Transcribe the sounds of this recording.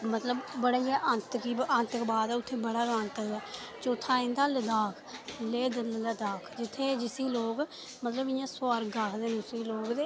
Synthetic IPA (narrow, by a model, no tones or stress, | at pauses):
mət̪ləbbəɽaiɛːʔə̃nt̪kiːənt̪əkbaːd̪ɛːʊt̪ʰːeːbəɽaːɡənt̪əɛː | t͡ʃoːt̪ʰːaːɪ̃nd̪aːləd̪aːkʰleːd̪lləd̪aːkʰd͡ʒɪt̪ʰːeːd͡ʒɪsiːloːɡ | mət̪ləbɪjãːsoaːɾɡakʰd̪eːnʊsiːloːkd̪eː